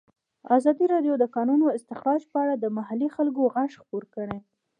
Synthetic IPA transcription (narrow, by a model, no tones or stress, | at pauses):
azɑd̪iɾɑɖjod̪əkɑnunoɪst̪ɪxɾɑd͡ʒpəaɽad̪əmaɦalixalɡoɣaʃxpoɾkəɽe